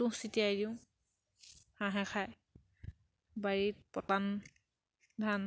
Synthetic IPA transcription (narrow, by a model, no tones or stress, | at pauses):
ũsitiadiʊ̃ | hãɦɛ̃xʰaj | baɹit̚pɔtan | dʱan